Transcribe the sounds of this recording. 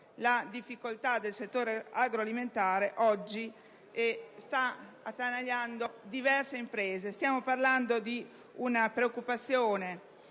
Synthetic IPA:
lad̪ifːikolt̪ad̪elset̪ːoːɾeaɡɾoaliment̪aːɾeʔɔd͡ʒːi | est̪a | at̪ːanaʎːand̪od̪ivɛrseimpɾɛːzest̪jaːmoparland̪od̪i | unapɾeokːupat̪sːjoːne

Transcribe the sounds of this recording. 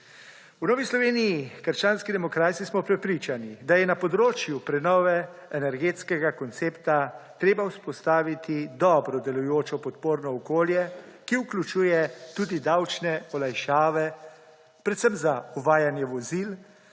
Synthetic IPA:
unɔːʋislɔʋeːnijikəɾʃt͡ʃaːnskid̪ɛmɔkɾaːt̪sismɔpɾɛpɾiːt͡ʃanid̪ajɛnapɔd̪ɾoːt͡ʃjupɾɛnɔːʋɛːnɛɾɡeːt̪skɛɡakɔnt̪seːpt̪at̪ɾeːbawspɔst̪aːʋit̪id̪ɔːbɾɔd̪ɛlujoːt͡ʃɔpɔt̪̚poːɾnɔɔkoːljɛkiuklut͡ʃuːjɛt̪ud̪id̪awt͡ʃnɛɔlajʃaːʋɛ | pɾɛt̪sɛmzauʋaːjanjɛʋɔzil

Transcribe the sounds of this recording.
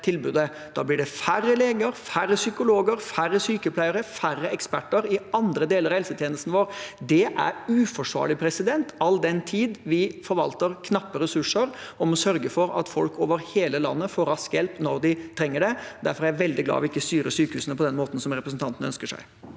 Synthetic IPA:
t̪ʰɪlbʉːd̪ə | d̪̥ɑːblɪɖɛfærːəleːɡəɾfæɾːəsʏkʊloːɡəɾfærːəsyːkəpʰlæɪəɾəfæɾːəɛkspæʈːəɾɪɑnd̪ɾəd̪eːləɾɑhɛlsət̪ʰjeːnəst̪nʋoːɾd̪ɛʔæ̰ɾʉːfɔʂʋɑ̰ːɭɪpʰɾɛsɪd̪ɛnt̪ɑld̪ɛnt̪ʰiːd̪ʋɪfɔɾʋɑlt̪əɾkʰnɑpːəɾɛsʉʂəɾɔmɔsœɾɡəfɔɾɑ̰t̪fɔlkoːʋəɾheːləlɑ̰nːəfoːɾɑskjɛlpnɔɾd̪ɪt̪ʰɾɛŋːəɖɛd̪æɾfɔɾæɾæʋɛld̪ɪɡlɑ̰ːɔʋɪɪkːəst̪yːɾəsyːkəhʉːsnəpʰɔd̪ɛnmoːt̪n̩sɔmɾɛpɾəsn̩t̪ʰɑnt̪ənəœnskəʂæ̰ɪ

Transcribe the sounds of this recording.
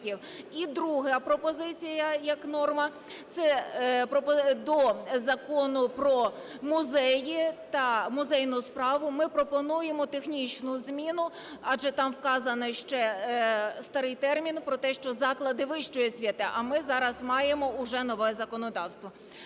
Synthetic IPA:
iw | id̪ɾuɦɐpɾɔpɔzɪt͡sʲijɐjɐknɔrmɐ | t̪sɛpɾɔpɔd̪ɔzɐkɔnʊpɾɔ | mʊzɛjit̪ɐmʊzɛjnʊspɾɑʋʊmɪpɾɔpɔnujemɔt̪exnʲit͡ʃnʊzmʲinʊ | ɑʒɛt̪ɑmwkɑzɐnɐʃt͡ʃɛ | st̪ɐɾɪjt̪ɛrmʲinpɾɔt̪ɛʃt͡ʃɔzɑklˠɐd̪ɪʋɪʃt͡ʃʊjɛsʲʋʲit̪ɑʔɐmɪzɑɾɐzmɑjemɔʊʒɛnɔʋɛzɐkɔnɔd̪ɑwst̪ʋɔ

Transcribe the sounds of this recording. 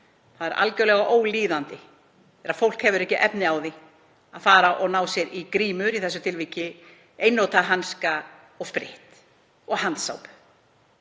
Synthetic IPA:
θaðɛɾʔa̰lcœwlɛɣaʔoːwliːðant̪ɪ | θɛɾafowl̥khɛvʏɾɛhcɪʔɛpnɪaːwðɪ | aðfaːɾaʔɔɣnaːwsjɛɾikɾiːmʏɾiθɛsːʏt̪ʰɪlviːcɪ | eːjnːowt̪aɦanska | ɔɣspɾɪ̰ht̪ | ɔɣhant̪sa̰wpʏ̥

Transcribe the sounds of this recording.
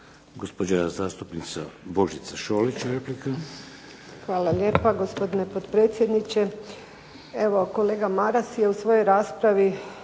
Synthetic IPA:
ɡospod͡ʒazaːst̪upnit̪sabo̞ʒit̪saʃoːlit͡ɕɾeplika | xʋaːlale̞ːpaɡo̞spo̞d̪ine̞pod̪pɾe̞ːt̪sje̞d̪nit͡ʃe̞ | e̞ʋo̞ko̞le̞ːɡamaɾasje̞usʋoːjojɾaːspɾaʋi

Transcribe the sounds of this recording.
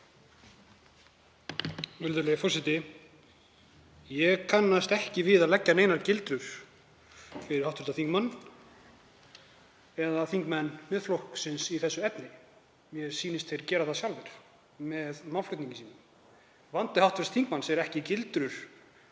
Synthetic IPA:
ʏɾðʏlejfɔrsɪt̪ɪ | jɛɣkʰanːast̪ɛhcɪvɪːðaðlɛcːaneːjnaɾcɪlt̪ɾʏɾ̥ | fɪɾɪɾ̥hawt̪vɪɾ̥t̪aθiŋkmanː | ɛðaθiŋkmɛnːmɛðflowhksɪnsiθɛsːʏɛt̪nɪ | mjɛsiːnɪst̪θejɾcɛːɾaθasjalvɛɾ̥ | mɛðmawllʏht̪niɲcɪsiːnɪm | vant̪ɪhawt̪vɪɾst̪θiŋkmansɛɾɛhcɪcɪlt̪ɾʏɾ̥

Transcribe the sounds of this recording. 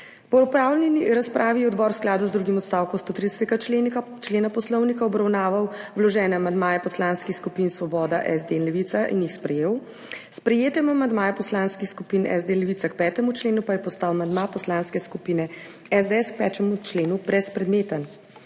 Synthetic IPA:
pɔɔpɾaːwlnɛniɾaspɾʔaːʋijɛɔd̪bɔːɾwsklaːd̪uzd̪ɾuːɡimɔt̪st̪awkɔmst̪oːt̪ɾid̪ɛsɛt̪ɛɡa | t͡ʃleːnapɔslɔwnikaɔbɾawnaːʋawwlɔʒɛːnɛamand̪maːjɛpɔslaːnskixskupinsʋɔbɔːd̪aʔɛzd̪enlɛʋit̪saʔḭnjixspɾɛjeːw | spɾɛjeːt̪ɛmamand̪maːjɛpɔslanskixskupiːnɛ̰zd̪enlɛʋit̪sakpɛːt̪ɛmut͡ʃleːnupajɛpɔst̪aːwamaɐnd̪mapɔslaːnskɛskupiːnɛ | ɛzd̪eɛsk̚pɛt͡ʃɛmut͡ʃleːnubɾɛspɾɛd̪neːt̪an

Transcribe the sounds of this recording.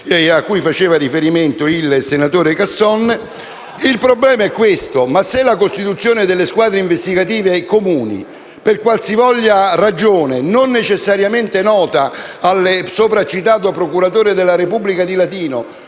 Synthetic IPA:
akːujfat͡ʃeːvarifeɾiment̪oilsenat̪oːɾekasːɔnː | ilpɾoblɛːmaɛkːwest̪omasːelːakost̪it̪ut̪sːjoːned̪elːeskwaːd̪ɾeiɱvest̪iɡat̪iːvekomuːnḭ | perkwalsivɔʎːarad͡ʒoːnenonːet͡ʃesːaɾjament̪enɔːt̪aːlːesoːpɾat͡ʃːit̪aːt̪oapɾokuɾat̪oːɾed̪elːaɾepubːlikad̪ilat̪iːno

